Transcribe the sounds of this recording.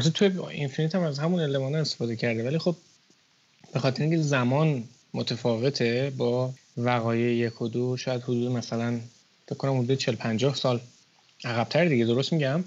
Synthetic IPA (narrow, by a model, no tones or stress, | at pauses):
æt̪ʰet̪ʰujeḭnfinit̪ʰæmæzhæmunelːemɒːnæest̪efɒːd̪ecʰæɾd̪evælixo̞b̚ | b̥e̞xɒt̪eɾeiŋkcʰezæmɒːn | mot̪ʰefɒːve̞t̪ʰe̞bɒː | væɣɒːjejje̞kʰod̪oʃɒːjæd̪hod̪uːd̪emæsælæn | fekʰkʰːonæmhod̪uːd̪et͡ʃʰelopʰænd͡ʒɒːhsɒːl | ʔæɣæb̥t̪ʰæɾd̪iɟe̞d̪o̞ɾost̪miɟæm